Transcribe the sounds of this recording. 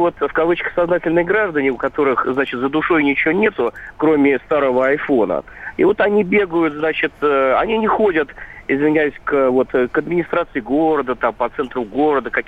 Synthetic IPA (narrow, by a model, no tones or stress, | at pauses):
vo̞t̪fkɐvɨt͡ɕkə̥xsɐznatʲɪlʲnɨjɡɾaʐd̪ənʲɪʊkɐt̪o̞ɾɨxznat͡ɕɪt̪zəd̪ʊʂo̞jnʲɪt͡ɕɪjonʲe̞t̪ʊkɾo̞mʲɪst̪aɾəvəɐjfo̞nə̰ḭvo̞t̪ɐnʲibʲe̞ɡəjʊt̪znat͡ɕɪt̪ːɐ̰nʲinʲɪxo̞dʲət̪ɪzvʲɪnʲæjʉsʲkvo̞t̪kɐd̪mʲɪnʲɪst̪ɾat̪sɨɪɡo̞ɾəd̪ət̪ampɐt̪sɛnt̪ɾʊɡo̞ɾəd̪əkɐkʲ